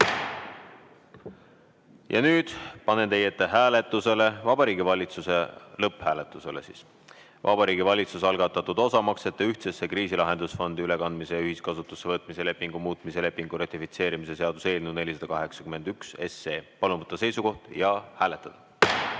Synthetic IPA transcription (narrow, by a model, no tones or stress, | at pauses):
jɑ̰nyːd̪̥pɑne̞nt̪e̞jet̪ːeɦæːle̞t̪ˑːuse̞le̞vɑbɑɾiːɡivɑlʲit̪suse̞lɤpːhæːlet̪ːˑuse̞le̞̰sḭːs | vɑ̰bɑɾiːɡivɑlʲit̪susɑlɡɑt̪ːˑɑt̪ːud̪̥o̞sɑmɑkse̞t̪ˑːeyht̪sesːe̞kriːsilɑɦe̞nd̪̥usfo̞nd̪̥iyle̞kɑnd̪misejyɦiskɑsut̪ːˑusːevɤt̪ˑmise̞le̞pːiŋɡumuːt̪ˑmise̞le̞pːiŋɡ̥uɾɑt̪ːˑifit̪se̞ːɾimise̞se̞ɑd̪̥u̥se̞ːlnune̞lʲis̬ɑd̪ɑkɑɦe̞ksɑ̥kyme̞nd̪̥ykse̞se̞ːpɑlunvɤt̪ˑːɑse̞jsuko̞ht̪jɑhæːle̞t̪ːˑɑd̪̥ɑ